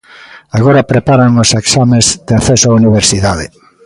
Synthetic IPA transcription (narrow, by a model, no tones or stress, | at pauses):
aɣoɾapɾepaɾaŋoseksamezðeaθesoauniβ̞eɾsiðaðe